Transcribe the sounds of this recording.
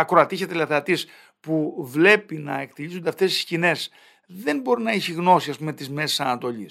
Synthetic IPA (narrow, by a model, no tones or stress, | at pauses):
ɐkɾoɐt̪isçet̪elɐθɐt̪is | puvle̞pinɐe̞k̚t̪iʎisund̪e̞ɐft̪e̞st̪i̥scine̞s | ðe̞nbo̞ɾinɐiçiɣno̞siɐspume̞t̪izme̞se̥sɐnɐt̪o̞ʎis